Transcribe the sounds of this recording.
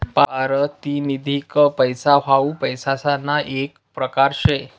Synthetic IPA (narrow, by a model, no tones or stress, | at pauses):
paaɾət̪inid̪ʱikəpəjsaʋaupəjsasanːaʔek | pɾəkaɾɕe